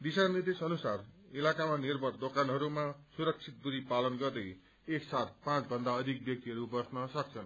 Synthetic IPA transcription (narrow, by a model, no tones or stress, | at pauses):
d̪isanid̪esʌnusarilakamanirbʱʌrd̪okanɦʌɾumasuɾʌk̚t͡sʰit̪̚buɾipalʌnɡʌrd̪ʌj | esːat̪̚pãt͡sbʱʌnd̪aʌd̪ʱik̚bjʌk̚t̪iɦʌɾubʌsnʌsʌk̚t͡sʰʌn